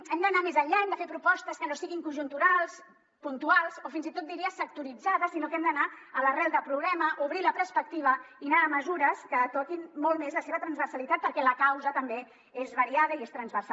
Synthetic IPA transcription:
ɛmd̪ənamezəʎːaɛmd̪əfepɾupɔst̪əskənosiɣiŋkunʒunt̪uɾalˠs | punt̪ualˠzofinzit̪ot̪d̪iɾiəsək̚t̪uɾid͡zaðəsːinokɛmd̪ənaələrɛlˠd̪əpɾuɣɾɛməʔuβɾiləpɾəspək̚t̪iβ̞əinaːməzuɾəskət̪ɔkinmolˠmezləseβət̪ɾənzβəɾsəlit̪at̪̚pəɾkɛləkawzət̪əmbe | ezβəɾiað̞əiest̪ɾənzβəɾsa

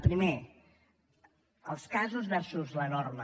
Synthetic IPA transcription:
pɾime | əlˠskazuzβɛɾsuzlənɔɾmə

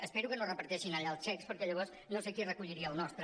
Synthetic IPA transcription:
əspeɾukənorəpəɾt̪ɛʃinəʎaəlˠst͡ʃɛkspəɾkɛəʎəβ̞ɔs | nosekirəkuʎiɾiəːlˠnɔst̪ɾə

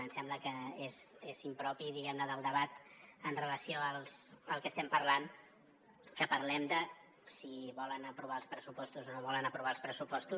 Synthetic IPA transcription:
ənsɛmbləkəezezimpɾɔpiðiɣɛmnəðəlˠd̪əβat̪ənrələsioəlˠsəlˠkəst̪ɛmpəɾlan | kəpəɾlɛmd̪ə | siβɔlənəpɾuβaəlˠspɾəsupɔst̪uzonoβɔlənəpɾuβ̞aəlˠspɾəsupɔst̪u

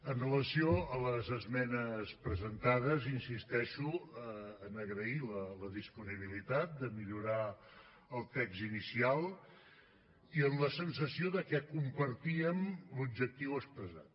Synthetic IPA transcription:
ənrələsioələzəzmɛnəspɾəzənt̪aðəzinsist̪ɛʃuəːnəɣɾəilələðispuniβ̞ilit̪at̪̚d̪əmiʎuɾa | əlˠt̪ɛkzinisialˠ | iənləsənsəsioðəkɛkumpəɾt̪iəmlubʒək̚t̪iwəspɾəza̰t̪̚

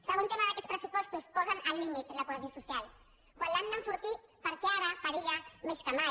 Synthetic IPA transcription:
səɣunt̪emaðakɛt̪spɾəsupɔst̪uspɔzanʔalːimit̪lakulazjosusjal | kwaland̪aɱfuɾt̪ipaɾkeaɾafaɾiʎameskama

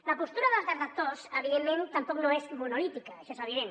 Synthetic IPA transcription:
ləpust̪uɾɐðəlˠzðət̪ək̚t̪osəβiðemːẽnt̪ɐmpɔknoezmunolit̪ikɐeʃoezəβiðen

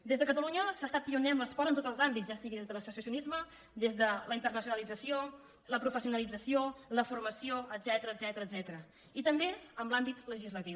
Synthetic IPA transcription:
d̪ezðəkət̪əluɲəsast̪at̪̚piunɛəmləspɔɾənt̪ot̪əlˠzambitzʒasiɣiðezðələsusiəsiunizmə | d̪ezðələint̪ərnəsijunəlid͡zəsio | ləpɾufəsiunəlid͡zəsioləfurməsioəd̪zɛt̪əɾəːd̪zɛt̪əɾəd̪zɛt̪əɾə | it̪əmbeəmlambit̪ləʒizlət̪iw

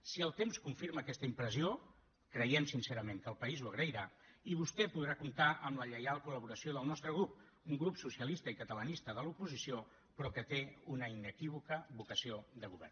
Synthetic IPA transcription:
siəlˠt̪emskuɱfiɾməːkɛst̪əimpɾəzio | kɾəjɛmsinseɾəmeŋkəlˠpəizuəɣɾəiɾaiβ̞ust̪ɛpuðɾakunt̪aʔəmləʎəjalˠkuləβ̞uɾəsioðəlˠnɔst̪ɾəɣɾup̚ | uŋɡɾupsusiəlist̪əikət̪ələnist̪əðəlupuzisio | pɾɔkət̪eunəinəkiβ̞ukəβukəsiod̪əɣuβɛ̰rn

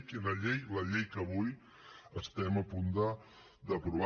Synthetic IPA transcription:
kinəʎejləʎejkəβuj | əst̪ɛməpund̪ə | d̪əpɾuβ

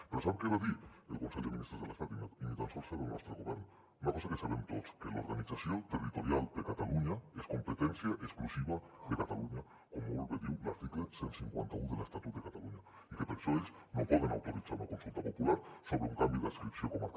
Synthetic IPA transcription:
peɾosaβkeβaðielkonseʎd̪eminist̪ɾezðelest̪at̪unat̪init̪ansɔlˠseβelnɔst̪ɾeɣoβɛɾn | unakɔsakesaβemt̪otskelo̰ɾɣanit͡sasjot̪erit̪oɾjalˠd̪ekat̪aluɲaeskompet̪ɛnsjaʔeksklusiβaðekat̪aluɲa | komoβolβeðiwla̰ɾt̪iklesensiŋkwa̰nt̪auðelest̪at̪ut̪̚ekat̪aluɲa | ikepeɾʃoeʎz | nopɔð̞enawt̪oɾit͡saɾunakonsulˠt̪apopulaɾsoβɾeuŋkambiðaskɾipsiokomaɾ

